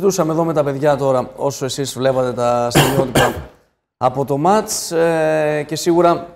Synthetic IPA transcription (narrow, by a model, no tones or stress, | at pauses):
t̪usɐmeðo̞me̞t̪ɐpe̞ðʝɐt̪o̞ɾɐo̞soe̞sizvle̞pɐt̪e̞t̪ɐst̪imio̞t̪it̪ɐː | po̞t̪o̞mɐt͡s | ce̞siɣuɾɐ